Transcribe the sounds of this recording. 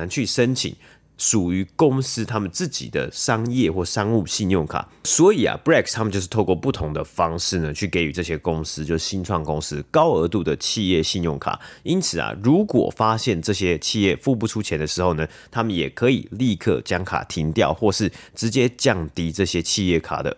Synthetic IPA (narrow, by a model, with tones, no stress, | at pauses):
a˨˦nt͡ɕʰy˥˩ʂə˦˥nt͡ɕʰḭ˨˩˦ŋ | ʂu˨˩y˧˥kʊ˥ŋsɹ̩˥t̪ʰa˥mə˨nt͡sɹ̩˥˩t͡ɕḭ˨˩d̪ə̰˦ʂɑ˥ŋjɛ˥˧xwɔ˥˩ʂɑ˥ŋu˥˧ɕi˥˧njʊ˥˩ŋkʰa̰˨˩˦swɔ˧˥i˨˩a̰˨˩bɹɛ˥˧kt̪ʰa˥mə˨t͡ɕjo˥˧ʂ̩˥˩t̪ʰo˥˧ʊkwɔ˥˧˩pu˥˩t̪ʰʊ˧˦˥ŋd̪ə˨fɑ˦ŋʂɻ̩˥˩nə˩t͡ɕʰy˥˩ke˧˥ɪy˨˥ʈ͡ʂɤ˥˩ɕjɛ˥kʊ˥ŋsɹ̩˥t͡ɕjo˥˧ʊʂ̩˥˩ɕi˦˥nʈ͡ʂʰwɑ˥˩ŋkʊ˥ŋsɹ̩˥kɑ˥ʊə˧˥t̪u˥˩d̪ə˩t͡ɕʰi˥˧jɛ˥˧ɕi˥˧njʊ˥˩ŋkʰa̰˨˩i˥nt͡sʰɹ̩˨˩ɐ̰˩ɻu˨˧˥kwɔ̰˨˩fa˦ɕjɛ˥˧nʈ͡ʂɤ˥˩ɕjɛ˥t͡ɕʰi˥˧jɛ˥˩fu˥˧p̬u˥˩ʈ͡ʂʰu˥t͡ɕʰjɛ˧˥nd̪ə˨ʂɻ̩˧˥xo˥˩ʊnə˩ | t̪ʰa˥mə˨njɛ˨˩kʰɤ˧˦ḭ˨˩li˥˧kʰɤ̰˥˩t͡ɕjɑ˥ŋkʰa̰˨˩t̪ʰi˧˥ŋt̪jɑ˥˧ʊxwɔ˥˧ʂɻ̩˥˩ʈ͡ʂɻ̩˧˥t͡ɕjɛ˥t͡ɕjɑ˥˩ŋt̪i˥ʈ͡ʂɤ˥˩ɕjɛ˥t͡ɕʰi˥˧jɛ˥˩kʰa̰˨˩d̪ə̰˦